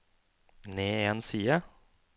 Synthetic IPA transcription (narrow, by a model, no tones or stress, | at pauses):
neːeːnsiːə